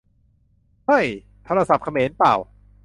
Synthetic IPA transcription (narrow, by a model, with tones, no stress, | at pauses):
ha˥˩j | t̪ʰoː˦˧ɾa˧sa˨˩p̚kʰa˧meː˩˦npa̰ː˨˩w